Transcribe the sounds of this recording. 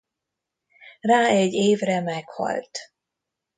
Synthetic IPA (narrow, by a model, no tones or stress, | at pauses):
raːɛɟːeːvrɛmɛkhɒ̰lt̪